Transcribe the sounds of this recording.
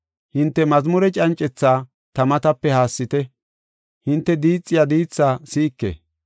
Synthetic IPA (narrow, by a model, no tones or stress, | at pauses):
hɪnt̪ːɛmɐzmʊɾɛt͡ʃʼɐnt͡ʃʼːɛt͡sːaː | t̪ɐmɐt̪ɐpːɛhaːsːɪt̪ɛ | hɪnt̪ːɛd̪iːt͡sʼːɪjad̪iːt͡sːaːsiːkːḛ